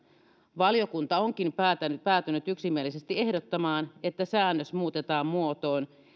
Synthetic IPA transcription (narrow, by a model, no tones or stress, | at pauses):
ʋɑljo̞kunt̪ɑo̞ŋkinpæt̪ænpæːt̪ynyt̪yksimːielːise̞st̪ie̞hdot̪ːɑmɑːne̞t̪ːæsæːnːøsmuːt̪et̪ɑːmmuot̪o̞ːn